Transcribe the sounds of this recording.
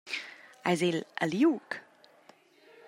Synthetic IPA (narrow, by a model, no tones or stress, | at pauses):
ajzelə̰ljuk